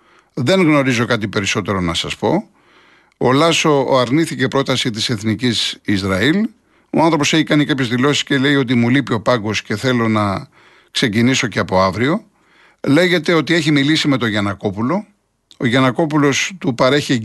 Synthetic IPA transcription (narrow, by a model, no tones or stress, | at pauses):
ðe̞ŋɣno̞ɾizo̞kɐt̪̬ipe̞ɾiso̞t̪e̞ɾo̞nɐsɐspo̞ | olɐso̞ɐɾniθice̞pɾo̞t̪ɐsit̪̬ise̞θnicisizɾɐil | o̞̰ɐnθɾo̞p̬o̞se̞çikɐnikɐpçe̞zðilo̞si̥sce̞le̞io̞t̪̬imulipio̞pɐŋɡo̞sce̞θe̞lo̞nɐ | kse̞ciniso̞ce̞ɐpo̞ɐvɾio̞ | le̞ʝe̞t̪e̞o̞t̪ie̞çimilisime̞t̪o̞ʝɐnɐko̞pulo̞ | oʝɐnɐko̞pulo̞st̪upɐɾe̞çi